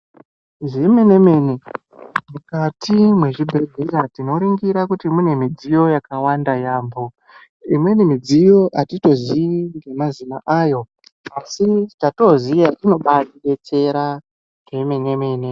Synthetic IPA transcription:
ʐimene̞meːne | mukatimwe̞ʐibʱe̞ɮʱeɾatino̞ɾiŋɡiɾakutimune̞mid͡zijo̞jakawandajaːmbo̞ | imwe̞nimid͡zijo̞ʔatito̞ziiŋɡe̞mazimaʔaːjo̞ | asitato̞zijaʔino̞ɓaiɗe̞t͡se̞ɾa | ɡemenemeːne

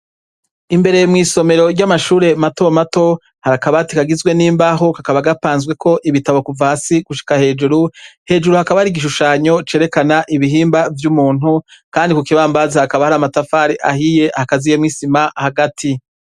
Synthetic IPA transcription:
imbe̞ɾe̞jmŋiːso̞me̞ɾo̞ɾɟamaʃuːɾe̞mato̞mato̞ | haɾakaβatikaɡizɡwe̞niːmbaɦo̞kakaβaɡapaːnzwe̞kʰo̞ʔiβitaβokuvaːsiɡ̥uʃi̥kahe̞ːd͡ʒuɾuhe̞ːd͡ʒuɾuhakaβaɾiɡiʃ̬uʃaːɲo̞t͡ʃeːɾe̞kanaʔiβiɦiːmbavjumuːnukaːndikukiβaːmbazehakaβahaɾamatafaːɾiʔahije̞hakazijemŋiːsimahaɡatʰi

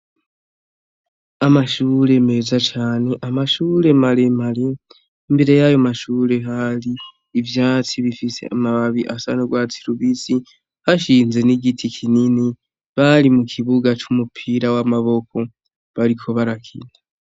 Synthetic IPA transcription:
amaʃuːɾe̞me̞zat͡ʃaːne̞ʔamaʃuːɾe̞male̞maleː | mbe̞ɾe̞jajo̞maʃuːɾe̞ɦaliː | vjaːt͡siβifisḛamaβaβiʔasanoɡwaːt͡siɾuβit͡si | haʃiːnze̞niɡitʰikʰinini | βalimukʰiβuɡat͡ʃumupʰiɾawamaβo̞ko̞ | βaɾikʰo̞βaɾakʰḭna

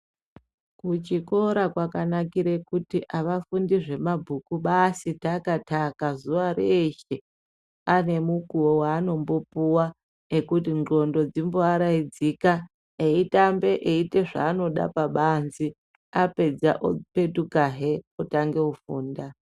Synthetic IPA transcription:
kut͡ʃiko̞ɾakwakanakiɾekutiʔaʋafundiʐe̞mabʱukuɓasitakatʰakazuʋaɾeʃe̞ | ane̞mukuwowaːno̞mbo̞puwa | ekutinɡo̞ndo̞d͡zimboaɾaid͡zika | eitambe̞ʔeite̞ʐa̰ːno̞ɗa̰paɓanzi | ape̞d͡za̰ʔo̰pe̞tukaɦe̞otaŋɡe̞ufuːnda

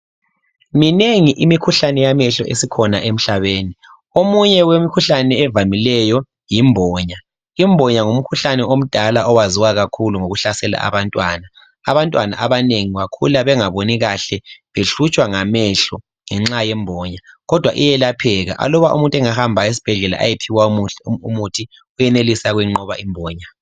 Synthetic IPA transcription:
mineŋiʔimikʰuɬanɛjamɛɬɔ̰ʔesikʰɔnaʔem̩ɬaβeːni | omuɲɛwemikʰuɬanɛːvamilɛjɔ | jimbʱɔːɲa | imbʱɔɲaŋum̩kʰuɬanɛom̩d̥ʱalaɔwaziwaɣakʰuluŋoɣuɬasɛla̰a̰βantʼwana | aβantʼwana̰ʔaβaneŋiwakʰṵlaβɛŋaβoniɣaɬɛβeɬut͡ʃʼwaŋamɛɬɔ | ŋɛŋ͡ǁajɛmbʱɔɲaɣɔd̥ʱwa̰ʔijɛlapʰɛɣa̰ʔa̰lɔβaʔṵmuntʼɛŋahambʱaes̬i̥b̥ʱɛɮɛla̰ʔa̰jepʰiwaumutʰi | ujɛnelisaɣwɛŋ͡ǃɔβa̰ʔimbʱɔːɲa

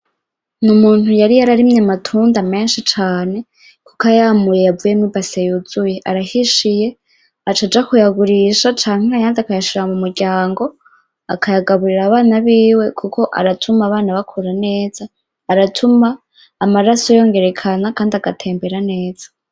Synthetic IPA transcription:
numuːnhujaɾijaɾaɾimɲamatʰuːndame̞ːnʃit͡ʃaːne̞ | kukajamuje̞javuje̞mibasejud͡zujeʔaɾahiʃije̞ | at͡ʃad͡ʒakujaɡuɾiʃat͡ʃaːŋ̥eajaːndakajaʃiɾamumuɾɟaːŋɡo̞ | akʰajaɡaβuɾiɾaβaːnaβiːwe̞kukʰo̞ʔa̰ɾatʰumaːβaːnaβakʰuɾane̞ːz̥aː | ɾatʰumaː | maɾasojo̞ŋɡe̞ɾe̞kʰanakaːndiaɡatʰe̞ːmbe̞ɾane̞ːz̥ḁ

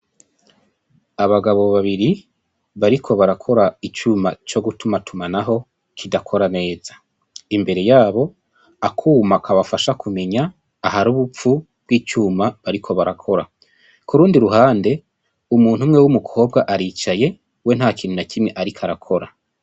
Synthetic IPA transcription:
aβaɡaβo̞βaβiɾi | βaɾikʰo̞βaɾakʰo̞ɾait͡ʃumat͡ʃo̞ɡutumatʰumanaɦo̞ | kʰidakʰo̞ɾane̞ːzḁ | imbe̞ɾe̞jaːβo̞ | akʰuːmakʰaβafaʃakʰume̞ɲaː | ɦaɾuːβup͡fu | b̚ɡiːt͡ʃuːmaβaɾikʰo̞βaɾakʰo̞ɾa | kuɾuːndiɾuɦaːnde̞ | umuːn̥humŋewumukʰo̞ːb̚ɡaʔaɾiːt͡ʃaje̞ | we̞n̥haːkiːnhunakimŋeʔaɾikʰaɾakʰo̞ɾa

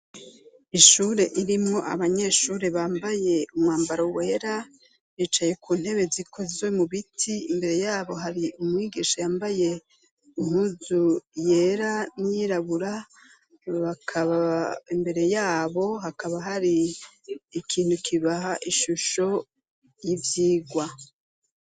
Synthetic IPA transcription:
iʃuɾe̞ʔiɾimŋo̞ʔa̰βaɲe̞ʃuːɾe̞βaːmbaje̞umŋwaːmbaɾoweːɾa | βiːt͡ʃaje̞kʰuːn̥he̞βe̞zikʰo̞zwemuβitʰiimbe̞ɾe̞jaːβo̞ɦaɾiumŋiːɡiʃajaːmbaje̞ | iŋhuzuje̞ɾanijiɾaβuɾa | βakʰaβaimbe̞ɾe̞jaːβo̞ɦakaβaɦaɾiː | kʰiːn̥hukʰiβaɦaʔiʃuʃo̞ | jivjiːɡwa

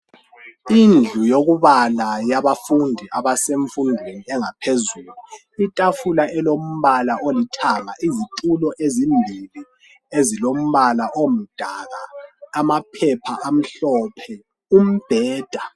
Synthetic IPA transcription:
ind͡ɮʱujoɣuβalajaβafundʱiʔaβaseɱfundʱweniɛŋapʰezuːlu | itʼafulaʔɛlom̩βalaʔolitʰamaʔizitʼulɔʔezimbʱili | ezilom̩βalaʔom̩d̥ʱaɣaːmapʰɛpʰaʔam̩ɬɔpʰɛ | um̩b̥ʱɛːd̥ʱa

